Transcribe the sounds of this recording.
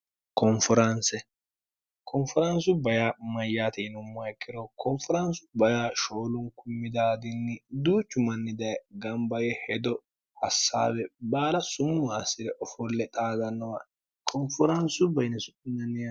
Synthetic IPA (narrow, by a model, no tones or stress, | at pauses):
kɔnfɔɾɐnsɛ | kʰɔnfɔɾɐnsʊbɐjaːmɐjːaːt̪ɛɪnʊmːɐɛkːɪɾɔkʰɔnfɔɾɐnsʊ̥bɐjaːʃoːlʊŋkʊmːɪd̪aːd̪ɪnːɪd̪uːt͡ʃːʊmɐnːɪd̪ɐjɡɐmbɐɡɛhɛd̪ɔ | hɐsːa̰ːbɛbaːlɐsʊmːʊasɪd̪ɛʔɔfɔlːɛt̪ʼaːɡɐnːɔwa | kʰɔnfɔɾɐnsʊbɐjnɛsʊɪnːɐnɪjɐ